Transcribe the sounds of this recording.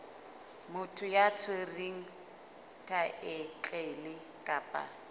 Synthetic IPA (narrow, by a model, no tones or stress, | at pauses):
mʊtʰʊjat͡sʰweriŋ̩ | tʰaʔɪt͡ɬʼelɪ | kʼaːpʼa̰